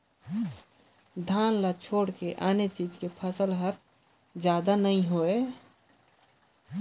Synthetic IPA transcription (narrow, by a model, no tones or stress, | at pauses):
d̪ʱaːnlat͡ʃʰoːɽkeʔaːnet͡ʃid͡ʒkepʰəsəlɦəɾ | d͡ʒjaːd̪anəĩɦoe